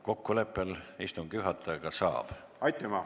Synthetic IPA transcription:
ko̞kːule̞pːˑe̞list̪umkyɦɑt̪ʰːˑɑɑɡ̥ɑsɑ̰ːb̥ | ɑjt̪ːˑemɑ

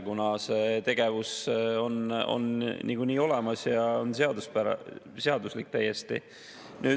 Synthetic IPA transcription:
kunɑset̪e̞ɡ̥e̞vuso̞no̞̰nniːɡ̥uniːo̞le̞mɑsjɑonseɑd̪uspæɾɑ̰ | seɑd̪uslik̚ːt̪æje̞st̪ḭ | nyː

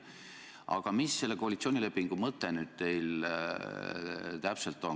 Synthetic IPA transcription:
ʔɑ̰ɡ̥ɑmisːe̞lːe̞ko̞ɑlit̪sionʲile̞pːiŋɡ̥umɤt̪ːˑe̞nyːd̪̥̚t̪e̞jl | t̪æpselt̪ːˑo̞

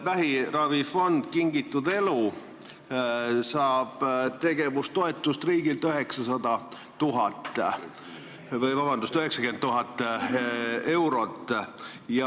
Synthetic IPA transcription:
væɦirɑvifo̞nd̪̥kiŋɡit̪ːˑud̪e̞lu | sɑːb̥t̪e̞ɡ̥e̞vust̪o̞et̪ˑːust̪riːɡ̥ilt̪øɦe̞ksɑsɑd̪ɑ | t̪uɦɑt̪ː | vɤjvɑbɑnd̪ust̪yɦe̞ksɑkyent̪ːuɦɑt̪ːˑ | e̞wɾo̞t̪ːˑ | jɑ

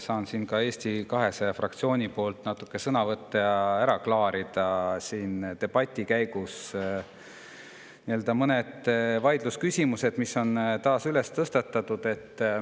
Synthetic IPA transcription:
sɑːnsiːnkɑe̞ːst̪ikɑɦe̞seɑfrɑk̚t̪sio̞ːnʲipo̞ːlt̪ːnɑt̪ːˑukːˑe̞sɤnɑvɤt̪ːɑjɑæɾɑklɑːɾid̪̥ɑsiːnt̪e̞b̥ɑt̪ʲːˑikæjɡus | nie̞ld̪̥ɑmɤne̞d̪̥vɑjd̪̥luskysʲimuse̞d̪̥miso̞nt̪ɑːsyle̞st̪ɤst̪ɑt̪ːˑɑt̪ːˑud̪̥e̞t̪ː

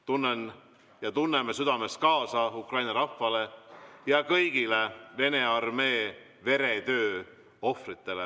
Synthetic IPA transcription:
t̪unːen | jɑt̪unːemesyd̪̥ɑme̞s̚kɑːsɑukrɑjnɑɾɑfːɑle̞jɑkɤjɡ̥ileve̞ne̞ɑrme̞ː | ve̞ɾe̞t̪ø̞ː | o̞frit̪ˑːe̞le

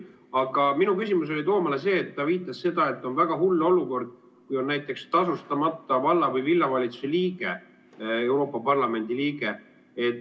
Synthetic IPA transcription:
ɑɡ̥ɑminukysʲimus̬o̞lʲit̪o̞ːmɑlese̞ːt̪ːɑviːt̪ːˑɑsːe̞d̪̥ɑe̞t̪ːˑo̞nvæɡ̥ɑɦulːo̞luko̞rd̪̥̚ | kujo̞nnæjt̪ˑːe̞kst̪ɑs̬ust̪ɑmɑt̪ːˑɑvɑlːɑvɯjvilːɑvɑlʲit̪su̥seliːɡ̥e̞ | e̞wɾo̞ːpːˑɑpɑrlɑme̞nʲd̪̥iliːɡe̞ | et̪ː

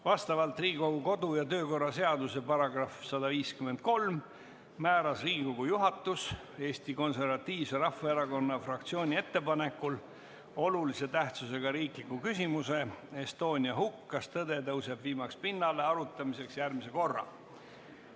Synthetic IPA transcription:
vɑst̪ɑvɑlt̪ˑriːɡiko̞ɡuko̞d̪ujɑt̪ø̞ːko̞rːɑse̞ɑd̪use̞pɑɾɑɡrɑfsɑd̪ɑviːskyme̞nd̪̥̚ko̞lmː | æːɾɑsriːɡiko̞ɡ̥ujuɦɑt̪ːˑus | e̞ːst̪iko̞nse̞rɾvɑt̪ʲːiːvse̞ɾɑfːɑeɾɑko̞nːɑfrɑk̚t̪sio̞ːnʲie̞t̪ːe̞pɑne̞kːˑul | o̞lulise̞t̪æht̪suse̞ɡ̥ɑɾiːklikːˑukysʲimuse̞est̪o̞ːnʲiɑhukːɑst̪ɤd̪e̞t̪ɤwse̞bviːmɑkspinːɑle̞ɑɾut̪ːˑɑmise̞ksjærmise̞ko̞rːɑ̰

